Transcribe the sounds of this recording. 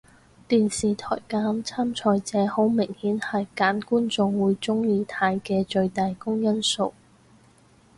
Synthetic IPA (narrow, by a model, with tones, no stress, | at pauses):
t̪iː˨nsiː˨t̪ʰɔ̰ː˨˩jkaː˨˥mt͡sʰaː˥mt͡sʰɔː˧jt͡sɛː˨˥ho˨˥wmɪ˨˩ŋhiː˨˥nhɐ˨jkaː˨˥nkuː˥nt͡sʊ˨˧ŋwuː˨˧jt͡sʊ˥ŋjiː˧t̪ʰaː˧jkɛː˧t͡ʃɵ˧ɥt̪aː˨jkʊ˥ŋjɐ˥nso˨˧w